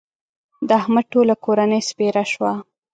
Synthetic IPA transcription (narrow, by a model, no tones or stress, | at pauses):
d̪ahmaʈolakoɾanəjspeɾaʃwa